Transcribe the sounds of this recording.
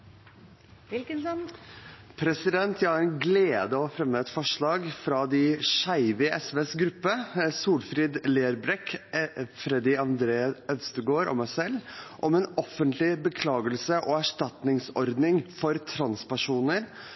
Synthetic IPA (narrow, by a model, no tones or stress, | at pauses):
pʰɾɛsɪd̪ɛnt̪ʰjæɑɾnɡleːd̪əɔfɾɛmːəːt̪fɔʂɭɑːɡfɾɑd̪ɪʂæɪʋɪʔɛsʋeːsɡɾʉpːəsuːlfɾɪːd̪leːɾbɾɛk | fɾɛd̪ɪɑnd̪ɾeːəœʋst̪əɡoːɾʔɔ̰mæɪsɛlːʔɔmɛnɔfənt̪lɪbəkʰlɑːɡəlsəʔɔæʂʈɑt̪nɪŋsɔɾd̪nɪŋfɔɾt̪ʰɾɑnspæʂuːnəɾ